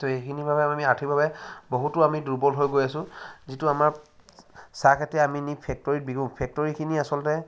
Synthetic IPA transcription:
toejkʰinibʱabɛamiatʰibʱabɛboɦutʊamiduɹbɔlɦojɡojasʊ̃zituamaɹ | sakʰatɛaminipʰɛk̚tɔɹit̚biɡũpʰɛk̚tɔɹikʰiniasɔltɛ

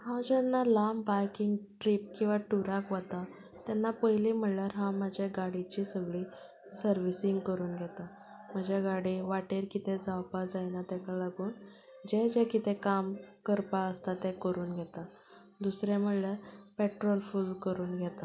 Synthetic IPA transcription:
hãd͡ʑɛnːalambajkiŋɡʈɾip̚kĩw̃ʋaʈuɾakʋat̪a | t̪ɛnːapəɦjlim̤əɽljaɾɦãm̤ad͡ʑʱeɡaɽit͡ɕiːsəɡɭiː | səɾʋisiŋɡkəɾuːnɡʱɛt̪a | m̤əd͡ʑaɡaɽiʋaʈeɾkit̪ʰed͡zawpad͡zajnat̪ɛkalaɡuːn | d͡ʑɛd͡ʑɛkit̪ekamkəɾpaəst̪at̪ẽkəɾuːnɡʱɛt̪a | d̪usɾem̤əɽɭaɾpeʈɾɔlfulkəɾuːnɡʱɛt̪a

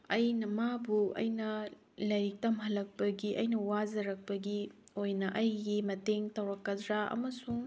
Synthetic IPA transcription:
ɐjnɐmabuɐ̰jnɐ | lɐjɾik̚tɐmɦɐlːɐk̚pɐɡiʔɐjnɐwazɐɾɐk̚pɐɡiojnɐʔɐjɡimɐteŋtɐwɾɐkːɐdɾaʔɐ̰mɐsuŋ

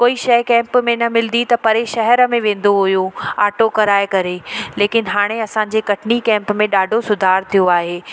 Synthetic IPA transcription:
koːiʃɐjkɛ̃ːmpmẽnɐmɪld̪it̪ɐpɐɾeʃɐɦɛɾə̆mẽʋẽːn̆d̪oɦʊjũaːʈokɐɾaːɪkɐɾeleːkɪnɦaːɽ̃eɐsãːɲ̆d͡ʑekɐʈʰɪnikɛ̃ːmpmẽɗaːɖʱosʊd̪ʱaːɾt̪ʰijoaːɦeː

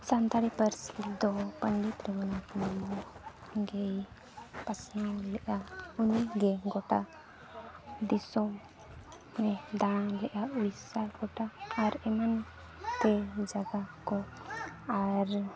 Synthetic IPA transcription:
sant̪aɽipəɾsid̪ɔpənɖit̪ɾɛmanakman | ɡɛj | pasawlɛʔauniɡɛɡɔʈa | d̪isɔ | mɛd̪aɽ̃ãlɛʔauɽisaɡ̥ɔʈaːɾɛman | t̪ɛd͡ʒaɡakɔ | aɾ

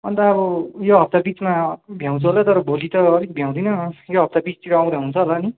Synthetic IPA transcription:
ʌnt̪ʌːbʌjoɦʌp̚t̪abit͡smabʱjãw̃t͡sʰuɦolat̪ʌɾʌbolit̪ʌːlik̚bʱjãw̃d̪inʌjoɦʌp̚t̪abit͡st̪iɾʌaw̃d̪aɦunt͡sʰʌɦolaːni

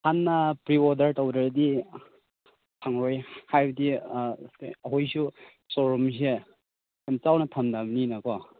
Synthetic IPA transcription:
hanːapɾiɔdɐɾtɐwdaɾdi | tʰaŋɾojhajbdi | ɐɦojsu | soɾums̬e | emt͡ʃawnɐtʰɐmdamninɐkɔ

